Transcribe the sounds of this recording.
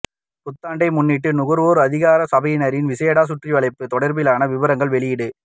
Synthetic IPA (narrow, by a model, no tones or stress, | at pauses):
pʊt̪ːaːɳɖɐɪmʊnːɪʈːɯnʊɣɯɾʋoːɾɯɐðɪɣaːɾɐsɐbɐjɪnɐɾɪnʋɪsɐɐɽaːs̬ʊʈriʋɐɭɐɪpːɯt̪ɔɽɐɾbɪlaːnɐʋɪʋɐɾɐŋɡɐɭʋɛɭɪjɪɽɯ